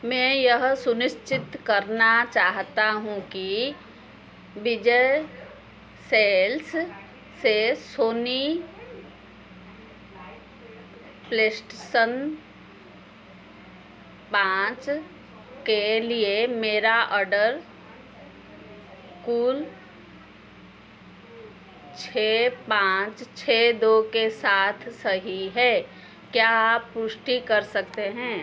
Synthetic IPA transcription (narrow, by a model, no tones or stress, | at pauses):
mɛ̃jəɦsʊnɪst͡ʃɪt̪kəɾnat͡ʃaːɦt̪aɦũki | bid͡ʒə | seːls | sesoːni | pleːsʈesən | pãːt͡ʃ | keliemeːɾaʔɔːɾɖəɾ | kuːl | t͡ʃʰeːpãːt͡ʃt͡ʃʰeːd̪okesaːt̪ʰsəɦiɦɛː | kjaːpːʊsʈikəɾsək̚t̪eɦɛ̃ː